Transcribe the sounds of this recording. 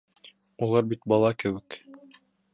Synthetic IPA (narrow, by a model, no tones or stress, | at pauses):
ulˠɑɾbit̪bɑlˠɑkɘ̆wɘk